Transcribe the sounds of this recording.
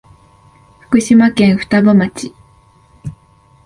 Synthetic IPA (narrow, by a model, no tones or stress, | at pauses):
ɸɯ̟̥kɯ̟ɕimakẽ̞ɰ̃ɸɯ̥t̪abamat͡ɕi